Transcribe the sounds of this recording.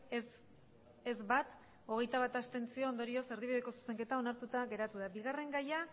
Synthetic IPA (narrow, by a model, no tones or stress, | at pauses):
e̞zβat̪ | o̞ɣe̞jt̪aβat̪ast̪e̞nt͡sio̞ːnd̪o̞ɾio̞se̞ɾðiβiðe̞ko̞su̥se̞ŋke̞t̪ao̞naɾt̪ut̪aɣe̞ɾat̪uðabiɣare̞ŋɡaja